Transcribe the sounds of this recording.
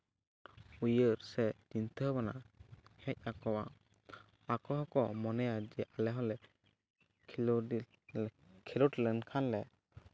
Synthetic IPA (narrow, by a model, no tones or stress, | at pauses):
ujəɾsɛt͡ʃint̪ʰəbanahɛc̚ˀakɔwa | akɔɦɔkɔmɔnɛjad͡ʒɛʔalɛɦɔlɛ | kʰɛluʈlɛnkʰanlɛ